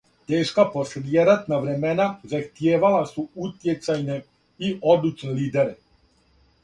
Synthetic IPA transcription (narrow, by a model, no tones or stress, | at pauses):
t̪eːʃkaposeljeɾat̪naʋɾemenazaxt̪jeːʋalasuut̪jet̪sajne | iʔod̪ut͡ʃneliːd̪eɾe